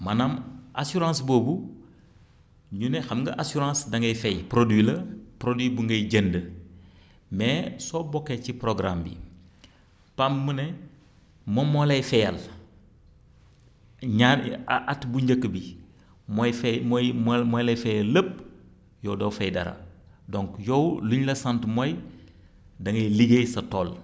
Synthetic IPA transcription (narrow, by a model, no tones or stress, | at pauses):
manamasuɾãːsboːbu | ɲunexamŋɡɐʔasuɾãsdɐŋɡɐjfejpɾodwilɐpɾodwibuŋɡɐjɟəndə | mesobokːecipɾoɡɾa̰mbḭ | pamːune | momːolejfejal | ɲaʔatbuɲɟəkːbi | mojfemjmmojlejfejɐlːəp̚ | joːdowfejdɐ̰ɾa̰doŋkjowluɲlɐsantmoj | dɐŋɐjliɡejsɐtol